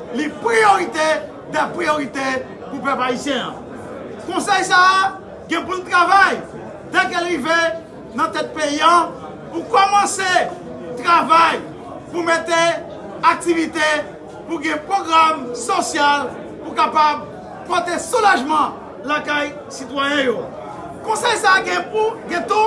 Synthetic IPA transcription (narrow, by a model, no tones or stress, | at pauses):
lipʁioʁit̪e | d̪apʁijoʁit̪e | pupɛpaisjɛ̃ã̰ | kõsɛjsa | ɡɛ̃plɔ̃t̪ʁavaj | d̪ɛ̃kelive | nɐ̃t̪ɛt̪̚pejã | pukɔmɑ̃se | t̪ʁavaj | pumet̪e | ak̚t̪ivit̪e | puɡɛ̃pʁoɡɾamsosjal | puɾkapab | pot̪esolaʒmɐ̃ | lakaj | sit̪wajɛ̃jõ | kõsɛjsaɡɛ̃puɡɛ̃t̪u